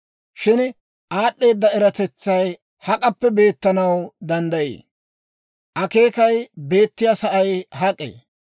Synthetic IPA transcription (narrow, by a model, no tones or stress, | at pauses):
ʃɪn | ʔaːɗːe̞ːd̪ːɐɛɾɐt̪ɛt͡sːɐj | hɐkʼɐpːɛbe̞ːt̪ːɐnɐwd̪ɐnd̪ɐjḛː | ʔɐke̞ːkɐjbe̞ːt̪ːɪjasɐʔɐjɦɐkʼːḛː